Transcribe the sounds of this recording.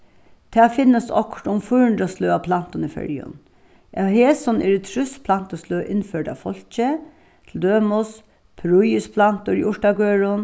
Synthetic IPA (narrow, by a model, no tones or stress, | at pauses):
t̪ʰæːfɪnːəsɔ̰ktʊmfʊhʊɳd̪ɾasløːapʰlan̥t̪ʊnifœ̰ɹjʊ̰n | ɑheːsɔnʔɛ̰ːɾɪt̪ʰɾʏspʰlan̥t̪əsløːʔɪnføːɖa̰fɔlçə | t̪ʰl̩d̪øːmʊs | pʰɾʊjəspʰlant̪ʊɾɪʔʊʂʈaɡøːɹʊn